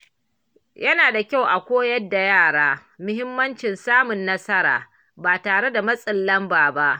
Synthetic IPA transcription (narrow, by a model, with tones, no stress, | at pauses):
jɐ˦naː˨da˨kʲa˦˨wʔa˨kʷoː˦jɐ˦dːa˨jaː˦˨ɽaː˦ | mʊ˦hɪ˦mːɐ˦nt͡ʃɪ˨nsaː˦mʊ˨nːɐ˦sɐ˦ɾa̰ː˨ | baː˨taː˨ɽe˦da˨mɐ˦sʼɪ˨lːɐ˦mbaː˨ba˦ʔ